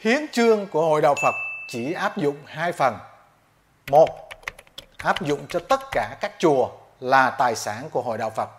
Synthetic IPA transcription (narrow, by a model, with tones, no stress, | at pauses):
hi˨˦ənt͡ɕɨ˧əŋku˧˩əho̰˧˨jɗa̰ː˨wfə˨˩t̚t͡ɕi˧˩ʔaː˦˥p̚zʊ̰˧˨ŋ͡mhaː˧jfə˨˩n | mo˨˩t̚ | ʔaː˦˥p̚zʊ̰˧˨ŋ͡mt͡ɕɔ˧t̪ə˦˥t̚kaː˧˩kaː˦˥k̚t͡ɕu˨˩ə | laː˨˩t̪aː˨˩jsaː˧˩˦nku˧˩əɦo̰˧˨jɗa̰ː˧˨wfə˨˩t̚